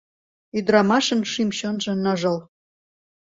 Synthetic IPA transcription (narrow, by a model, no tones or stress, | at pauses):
yd̪ɾɑmɑʃə̆nʃimɕonʒɤ̆nə̆ʒɤ̆l